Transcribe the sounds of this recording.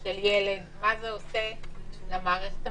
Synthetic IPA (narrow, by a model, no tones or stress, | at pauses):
ʃeljeled̪mazeoseʃelamaʁest̪